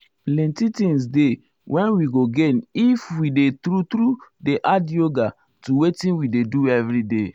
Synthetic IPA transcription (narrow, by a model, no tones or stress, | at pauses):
plɛ̃ntitĩŋs̬de | wʔɛ̃nwiɡoɡenifwidetɾut̪ɾudeʔadoɡa | tuwetĩnwideduɛvɹide